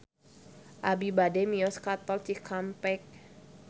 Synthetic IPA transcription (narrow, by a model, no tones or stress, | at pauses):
ʔabibademiɔskat̪ɔlt͡ʃikʰampɛk̚